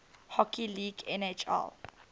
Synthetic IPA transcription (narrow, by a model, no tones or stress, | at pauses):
hɔkiliːɡɛnet͡ʃɛ̰l